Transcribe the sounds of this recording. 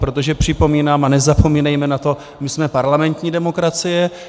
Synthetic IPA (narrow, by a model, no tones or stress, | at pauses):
pɾo̞t̪o̞ʒɛpr̥ɪpo̞miːnaːmʔanɛzapo̞miːnɛjmɛnat̪o̞ | mɪsmɛpaɾlamɛnt̪ɲiːdɛmo̞kɾat͡sɪjɛ